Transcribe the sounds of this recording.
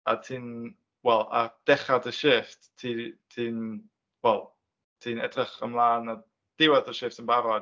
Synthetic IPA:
a̰tʰiːn | wɛlˠa̰d̥ɛχadəʃɪfttʰitʰiːn | wɛlˠ | tʰiːnɛdrəχə̰mlˠaːna | d̥ɪwadəʃɪftənbaɾɔ

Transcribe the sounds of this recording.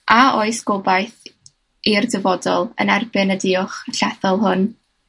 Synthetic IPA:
ʔaoɨsɡ̥obajθ | irdəvɔdɔlˠə̰nɛrbɪnədɪːʊχɬɛθɔlˠɦʊn

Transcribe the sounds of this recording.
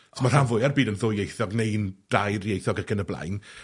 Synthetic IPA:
smarhavʊjarbiːdənðʊjejθɔɡnejnd̥ajrjejθɔɡəɡənəblˠa̰jn

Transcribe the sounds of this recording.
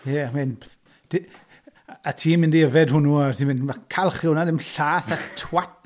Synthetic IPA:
jɛmɪn | d̥ | atʰiːmɪndiəvɛdhʊnuatʰimɪnmakʰalˠχɪwnadɪmɬaːθatʰwat̚

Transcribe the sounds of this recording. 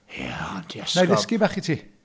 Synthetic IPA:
jæ̰d̥ɛnajðɪsskibaχitʰiː

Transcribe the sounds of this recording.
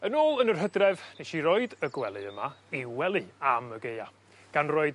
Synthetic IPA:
ənoːlˠənərɦədrɛvnejʃiɾɔɨdəɡwɛlˠɨəmaiwɛlˠɨaməɡeja̰ | ɡ̥anroɨd

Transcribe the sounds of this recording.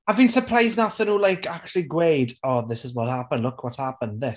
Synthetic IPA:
aviːnsərpʰr̥ajznaθənuːlˠajkʰakt͡ʃʰəlˠiɡwejdɔðɪsɪzwɔthapənlʊkʰwɔthapə̃nðɪ

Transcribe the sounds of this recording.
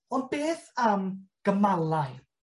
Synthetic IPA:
ɔnbeːθamɡ̥əmalˠaɨ

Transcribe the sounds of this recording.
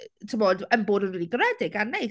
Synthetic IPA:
tʰɪmɔdəmboːdənwɪdiɡrɛdɪɡanːej

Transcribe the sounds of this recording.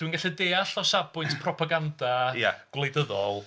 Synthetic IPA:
winŋɡaɬɛdeːaɬɔsabʊjntʰpʰrɔpʰaɡandaja̰ɡ̥wlˠejdəðɔlˠ

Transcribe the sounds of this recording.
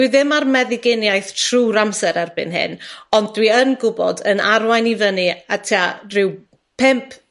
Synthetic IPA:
iðɪmarmɛðɪɡɪnjajθtʰr̥uːɾamsɛɾarbɪ̰nɦɪ̰nɔndːwiənɡʊbɔ̰dənarwajnivəniatʰiarɪw | pʰɪmpʰ

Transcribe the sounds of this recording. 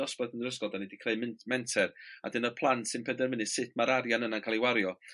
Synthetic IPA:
ɔsb̥adənrəsɡɔdanɛdikʰr̥eɨmɪnmɛntʰɛra̰dɪnɔpʰlˠantsɨnpʰɛdɛnvɪnɨsɪtʰmaɾaɾjanənankʰalˠiwaɾjɔ

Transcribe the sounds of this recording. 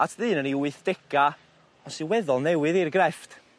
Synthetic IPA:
atʰðɨːnəniwɨθd̥ɛɡa | ɔsiwɛðʊlˠnɛwɨðirɡrɛft

